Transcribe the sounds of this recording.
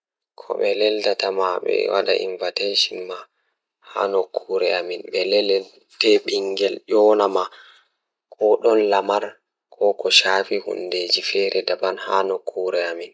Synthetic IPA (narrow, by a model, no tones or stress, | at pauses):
kʰɔ̰ɓɛlɛldatamaɓɛ̰wa̰ɗa̰ʔḭɱvateʃinma | ha̰nokʰːuɾɛaminɓɛlɛlɛ | tɛɓiŋɡɛlʔɔːnama | kʰɔɗɔnlamaɾ | kʰɔkʰɔʃaːfihṵndeːd͡ʒifɛɾɛdabanhanokʰːuːɾɛamin